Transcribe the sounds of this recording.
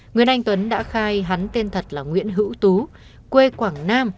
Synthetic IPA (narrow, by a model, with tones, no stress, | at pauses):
ŋwi˨˩ənʔa˧jŋ̟t̪wə˨˦nɗa̰ː˧˥xaː˧jɦa˨˦nt̪e˧nt̪ʰə˨˩t̚laː˨˩ŋwḭ˧˥ənɦɨ̰˧˥wt̪u˨˦ | kwe˧kwaː˧˩ŋnaː˧m